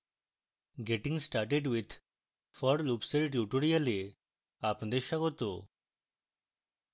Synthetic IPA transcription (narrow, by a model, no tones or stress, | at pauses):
ɡeʈiŋsʈaɾʈeɖwid̪ | fɔɾlupseɾʈ̬juʈoɾiale | apnad̪eɾʃaɡot̪o̰